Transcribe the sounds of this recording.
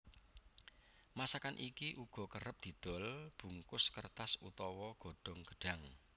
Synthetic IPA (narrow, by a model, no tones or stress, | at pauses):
masakanʔikiʔuɡ̥ɔ̤kəɾəp̚d̪̥i̤d̪̥ɔ̤lb̥ṳŋkʊskərt̪asṵt̪ɔwɔɡ̥o̤ɖ̥ɔ̤ŋɡ̥ə̤̥ɖ̥ä̤ŋ